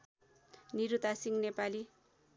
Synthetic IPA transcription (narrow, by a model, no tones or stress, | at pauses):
niɾut̪asiŋnepali